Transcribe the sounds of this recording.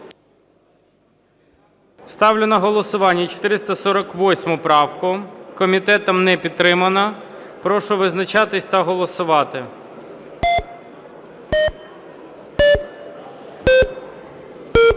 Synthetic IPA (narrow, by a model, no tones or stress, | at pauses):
st̪ɑwlʲɪnɐɦɔlˠɔsʊʋɑnʲːɐt͡ʃɔ̥t̪ɪɾɪst̪ɐsɔɾɐkʋɔsʲmʊpɾɑwkʊkɔmʲit̪ɛt̪ɐmnɛpʲid̪̚t̪ːɾɪmɐnɐ | pɾɔʃʊʋɪznɐt͡ʃɑt̪ɪsʲt̪ɐɦɔlˠɔsʊʋɑt̪ɪ